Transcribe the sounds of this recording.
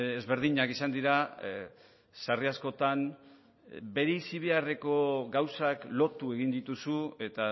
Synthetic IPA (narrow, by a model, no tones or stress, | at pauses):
ezβe̞ɾð̞iɲakisand̪iɾa | sariasko̞t̪an | be̞ɾesiβ̞e̞are̞ko̞ɡawsaklo̞t̪ue̞ɣind̪it̪usue̞t̪a